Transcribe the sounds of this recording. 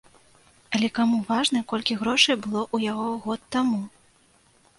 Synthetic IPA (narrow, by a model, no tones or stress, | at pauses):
ɐlʲɛkamuvaʐnɐkɔlʲkʲiɣɾɔʂɐjbɨlˠɔʔujaɣɔɣɔt̪ːamu